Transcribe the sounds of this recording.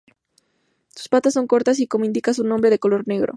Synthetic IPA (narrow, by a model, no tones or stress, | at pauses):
t̪u̥spat̪asːo̞ŋko̞ɾt̪as̬iko̞moĩnd̪ikasunombɾe̞ð̞eko̞lo̞ɾne̞ɣɾo̰